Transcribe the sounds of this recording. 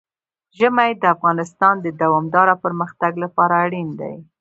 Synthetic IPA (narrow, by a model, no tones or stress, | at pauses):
ʒəmajd̪əafɣɑnɪst̪ɑnd̪əd̪awɑmd̪ɑɾapəɾməxt̪aɡlapɑɾaːɽind̪a̰j